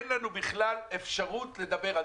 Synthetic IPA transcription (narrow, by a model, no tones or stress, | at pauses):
nlanubiχlalefʃaʁutle̞d̪abe̞ʁa